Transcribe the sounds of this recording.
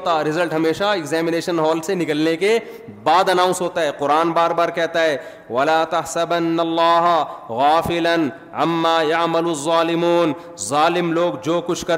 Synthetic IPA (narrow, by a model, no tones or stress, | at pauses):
t̪aɾɪzəlʈɦɐmeːʃaɪɡzɛːmɪneːʃənɦɔːlsenɪkəlneke | baːd̪ɐnãːʊ̃nsɦoːt̪aɦɛːqʊɾaːnbaːɾbaːɾkɛɦt̪aɦɛː | ʋɐlaːt̪ɐhsɐbɐnːɐlːaːɦɐɣaːfɪlɐn | ɐmːaːjɐʕmɐlɐzˤːaːlɪmuːn | zaːlɪmloːɡd͡ʒoːkʊt͡ʃʰkɐɾ